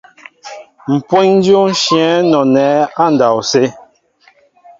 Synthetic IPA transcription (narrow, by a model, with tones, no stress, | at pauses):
m̩˨pwo˦ɲn˦djo˦n̩˦ʃjɛ̃˨˦nɔ˨nɛ˨˦a˦˨n˨da˨wse˦